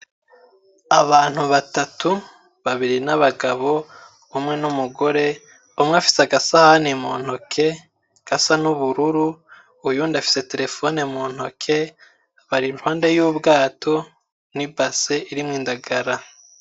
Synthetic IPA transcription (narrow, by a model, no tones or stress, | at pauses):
aβaːn̥huβatatu | βaβiɾinaβaɡaβo̞ | umŋe̞numuɡo̞ɾe̞ | umŋafi̥seaɡasahanimoːn̥o̞kʰe̞ | ɡ̥asanuβuɾuɾuː | juːndafi̥se̞te̞ɾe̞fo̞ne̞moːn̥ho̞kʰe̞ | βaɾinwaːnde̞juːbɡaːtʰo̞ | nibaseʔiɾimŋiːndaɡaɾa